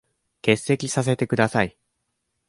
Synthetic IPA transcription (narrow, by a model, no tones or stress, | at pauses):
ke̞sːe̞kʲisas̬e̞t̪e̞kɯ̟d̪asai